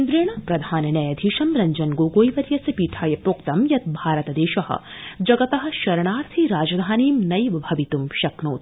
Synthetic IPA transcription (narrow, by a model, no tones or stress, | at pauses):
nd̪ɾeːɳ̃ɐpɾɐd̪ʱaːnɐnɐjɐd̪ʱiːʃɐmɾɐɲd͡ʒɐnɡoːɡoːjʋɐɾjɐsɐpiːʈʰaːjɐpɾoːkt̪ɐmjɐt̪̚bʱaːɾɐt̪ɐd̪eːʃɐhɐ̰ | d͡ʒɐɡɐt̪ɐɦɐ̆ʃɐɾɐɳaːɾt̪ʰiɾaːd͡ʒɐd̪ʱaːniːmnɐjʋɐbʱɐʋit̪umʃɐknoːt̪